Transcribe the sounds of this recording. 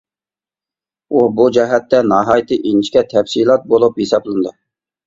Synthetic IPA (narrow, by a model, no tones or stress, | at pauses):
ubud͡ʒɛɦɛt̪ːɛnɑɦɑjt̪ʰɨʔint͡ʃʰkʲɛt̪ʰɛfsilˠɑt̪̚bolˠuphesɑblˠɨnd̪ɨ